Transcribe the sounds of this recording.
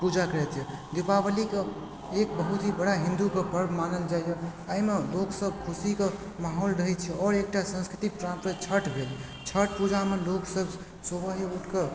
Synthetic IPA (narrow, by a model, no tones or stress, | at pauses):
pud͡ʒakəɾɛt̪jɛd̪epabəlike | ek̚bəɦut̪ɦibəɽaɦĩnd̪ukepəɾbmanəld͡ʒajjeaimeloksəbkʰusike | maɦolɾəɦɛt͡ʃʰɛɔɾek̚ʈasə̃nskɾit̪ikpɾãmpɾet͡ʃʰəʈbʱel | t͡ʃʰəʈpud͡ʒameloksəb | sobəɦiuʈke